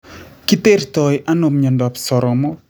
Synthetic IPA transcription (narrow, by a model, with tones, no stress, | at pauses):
ki˦t̪e˦rtɔ˨ja˦no˨mɲɔ˨ndɔ˨psɔ˨ɾɔ˨mɔ˦